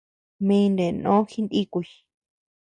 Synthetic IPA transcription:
mĩ˧nd̪e˨nõ̰˦xi˦nd̪i˦ku˧i

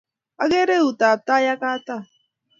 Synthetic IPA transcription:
a˦ɣe˦ɾe˦u˨ta˨t̪a˦ja˦ka˦t̪a˦˨

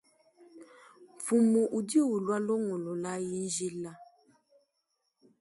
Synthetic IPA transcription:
fu˨mo˨ʔu˨di˦o˦˨wu˨lwa˦lɔ˦ŋɔ̃˨lɔ˨la˦ji˦n̩˦d͡ʒi˦la˦

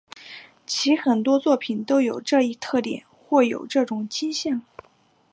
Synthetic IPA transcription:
t͡ɕʰi˧˥xə˨˩nt̪wɔ˥t͡swɔ˥˩pʰi˨˩˦nt̪o˥ʊjo˨˩ʊʈ͡ʂɤ˥˧i˥˧t̪ʰɤ˥˩t̪jɛ̰˨˩˦nxwɔ˥˩jo̰˨˩ʊʈ͡ʂɤ˥˩ʈ͡ʂʊ˨˩ŋt͡ɕi˥nɕjɑ˥˩ŋ

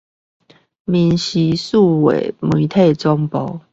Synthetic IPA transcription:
mi˨˦nɕi˧˦su˥˨wḛ˨˩˦mi˨˦t̪ʰe˥˨ɪt͡sɔ˦ŋpɔ˨˦

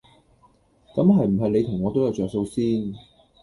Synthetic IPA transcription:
kɐ˨˥mhɐ˨jm̩˨˩ɦɐ˨jle˨˧jt̪ʰʊ˨˩ŋːɔː˨˧t̪o˥wjɐ˨˧wt͡ʃɔː˨kso˧wsiː˥n

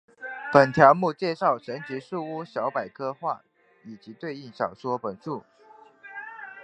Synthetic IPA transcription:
pə˨˩nt̪ʰjɑ˧˥ʊmu˥˧t͡ɕjɛ˥˧ʂɑ˥˩ʊʂə˧˥nt͡ɕi˧˥ʂu˥˧u˥ɕjɑ˧˥ʊpa˨˩ɪkʰɤ˥xwa̰˥˩ | i˨˩t͡ɕi˧˥t̪we˥˧ɪi˥˩ŋɕɑ˨˩ʊʂwɔ˥pə˨˩nʂu˥˩

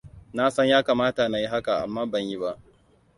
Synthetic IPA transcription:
na˦sɐ˦ɲjaː˦kaː˨maː˦ta˨na˨ji˦ɦa˦ka˨ʔa̰˨mːaː˦bɐ˦˨ɲji˦ba˦ʔ

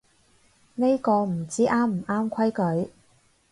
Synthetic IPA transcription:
ne˥jkɔː˧m̩˨˩t͡siː˥ʔaː˥m̩˨˩ʔaː˥mkʷʰɐ˥jkɵ˨˥ɥ

